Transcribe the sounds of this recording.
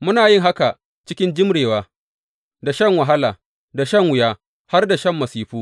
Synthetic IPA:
mʊ˦naː˨jɪ˦ŋɦa˦ka˨ | t͡ʃɪ˦kʲɪ˦nd͡ʒɪ˦mɽeː˨waː˦ | da˨ʃɐ˦ŋwɐ˨ɦa˦laː˨ | da˨ʃɐ˦ŋwʊ˨jaː˦ | ha˦rda˨ʃɐ˦˨mːɐ˨siː˦ɸuː˦

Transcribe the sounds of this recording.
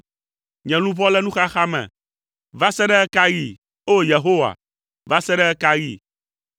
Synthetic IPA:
ɲɛ̃˨lũ˦vɔ˦lɛ˦nũ˦xa˦xa˦mɛ̰̃˨ | va˦sɛ˦ɖɛ˦ɛ˦ka˦ji˨ | o˦je˨ɦo˦wa̰˨ | va˦sɛ˦ɖɛ˦ɛ˦ka˦jḭ˦˨

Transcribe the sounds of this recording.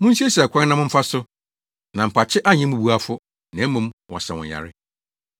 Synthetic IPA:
mʊ̃˦n̩˦si˦e˦skʰʷã˦n˦nã˦mʊ̃˦m̩˦fa˦sʊ˦ | nã˨m̩˨pʰa˨t͡ɕʰɪ˦ʔa˦ɲɪ̃˦mũ˨bu˦a˨fʊ˦ | nã˨˦mũ˨˦mwɔ̰˨sɛ˨wʊ̰̃˨ja̰˨ɾɪ˦

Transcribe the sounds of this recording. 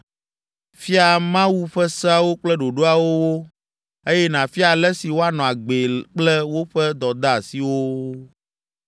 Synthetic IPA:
fi˦a˨mã˦wu˦ɸɛ˦sa˦wo˦k͡plɛ˦ɖo˨ɖo˦a˨wo˦wo˦ | e˦jɛ˦nã˨fi˦a˨lɛ˦si˨wo˦a˦nɔ̃˨a˨ɡ͡be˨k͡plɛ˦wo˦ɸɛ˦d̪ɔ˨d̪a˦a˨si˨wo˦

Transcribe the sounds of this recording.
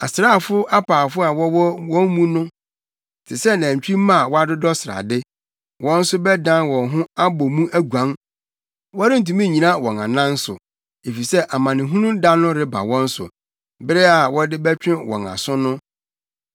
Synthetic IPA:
a̰˨sɾaː˦˨fʊ˦a˦pʰaː˨fʊ˦a˨wɔ˦wɔ˦wɔ̃˦m˦mũ˦nʊ̃˦ | tʰɪ˨sɛ˦nã˨ɲ̩˨t͡ɕᶣi˦mã˦˨wɔ˦a˦dɪ˦dɔ˦sɪ˨ɾa̰˨dɪ˦ | wɔ̃˦n̩˦sʊ˦bɛ˦dã˦nwɔ̃˨nɦʊ̃˦a˦bɔ˨mũ˦ʔæ˦ɡʷã˦ŋ | wɔ˦ɾɪ˦n̩˨tũ˨mĩ˦˨ɲĩ˨nã˦wɔ̃˨nã˨nã˦n̩˦sʊ̰˨ | e˨fi˨sɛ˦ʔa˨mã˨nɪ̃˨ɦũ˦nũ˦da˦nʊ̃˦ɾɪ˦ba̰˨wɔ̃˦n̩˦sʊ̰˨ | bɪ˦ɾɛ˦a˨wɔ˦dɪ˦bɛ˦t͡ɕᶣɪ̃˦wɔ̰̃˨na̰˨sʊ̃˦nʊ̃˦

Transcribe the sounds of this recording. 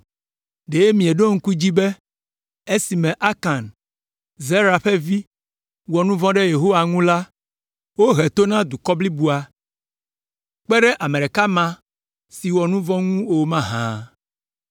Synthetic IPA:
ɖe˨je˦mĩ˨ɛ˨ɖo˦ŋ̩˦ku˦d͡ʑi˦bɛ˦ | e˦si˨mɛ̃˨ʔa˦ka˨n | ze˦ɾa˨ɸɛ˦vi˦ | wɔ˨nũ˦vɔ̃˦ɖɛ˦je˨ɦo˦wa˨ŋũ˦la˦ | wo˦ɦɛ˨t̪o˦nã˦d̪u˨kɔ˦bli˦bu˦a˨ | k͡pɛ˦ɖɛ˦ʔa˨mɛ̃˨ɖɛ˨ka˦mã˨ | si˨wɔ˨nũ˦vɔ̃˦ŋũ˦o˨mã˦ɦã̰˨

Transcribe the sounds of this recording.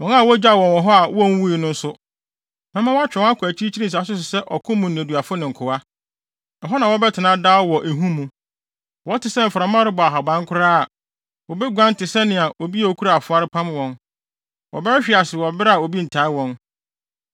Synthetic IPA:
wɔ̃˨˦n˦a˨wɔ˦d͡ʑᶣa˦˨wɔ̃˨n˨wɔ̃˨ɦɔ˦a˨wɔ˦˨n̩˦wu˦i˨nʊ̃˦n̩˦sʊ˦ | mã˦mã˦wa˦t͡ɕᶣɛ̃˨˦a˦kʰʊ˨æ˨t͡ɕʰi˦t͡ɕʰi˦ɾi˦s̬a˨˦s̬ʊ˦s̬ɪ˨sɛ˦ʔɔ˨kʰʊ̃˦mːũ˨ñ̩˨æ˨du˨a˨fʊ˦nɪ̃˨ŋ̩˨kʰʊ˨wa˦ | ɛ˨ɦɔ˦nã˨wɔ˦bɛ˦tʰɪ˨nã˦daː˦wɔ˨ʔe˨ɦũ˦mũ˨ | wɔ˦tɪ˨sɛ˦m̩˨fa˨ɾã˨˦mã˦ɾɪ˦bɔ˨a˨ɦa˨bã˦ŋ˦kʰʊ˦ɾaː˦a˨ | wɔ˨bɪ˦ɡʷã˦n̩˦tɪ˨sɛ˦nɪ̃˨a˨ʔo˨bi˦a˨o˦kʰu˦ɾa˦˨a˨fʊ˨˦a˦ɾɪ˦pʰã˦m˦wɔ̃˦n | wɔ̰˨bɛ˦ɾɪ˦ɕᶣɪ˨a˨sɪ˨wɔ˨bɪ˦ɾɪ˦a˨o˨bi˦n̩˨tʰa˨˦ɪ˦wɔ̃˦n

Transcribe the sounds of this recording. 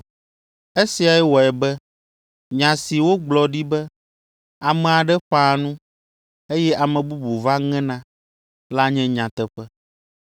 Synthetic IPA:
e˦si˨a˨ɛ˦wɔ˨ɛ˨bɛ˦ | ɲã˨si˨wo˦ɡ͡blɔ˨ɖi˦bɛ˦ | a˨mɛ̃˨a˨ɖɛ˦ɸa˦nũ˦ | e˦jɛ˦ʔa˨mɛ̃˨bu˦bu˨va˦ŋɛ̃˦nã˦ | la˦ɲɛ̃˦ɲã˨t̪ɛ˨ɸɛ˦

